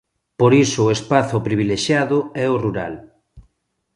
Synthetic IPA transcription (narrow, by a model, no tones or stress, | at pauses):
poɾisʊːespaθʊpɾiβ̞ileʃjaðʊɛʊruɾal